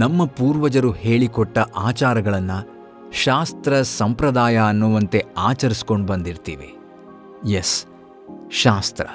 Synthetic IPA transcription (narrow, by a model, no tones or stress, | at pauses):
nɐmːɐpuːɾʋɐd͡ʒɐɾuhe̞ːɭikɔʈːɐʔaːt͡ʃaːɾɐɡɐɭɐnːɐ | ʃaːst̪ɾɐsɐmpɾɐd̪aːjaɐnːuʋɐnt̪e̞aːt͡ʃɐɾiskoɳɖbɐnd̪iɾt̪iːʋe̞̰ | jes | ʃaːst̪ɾɐ̰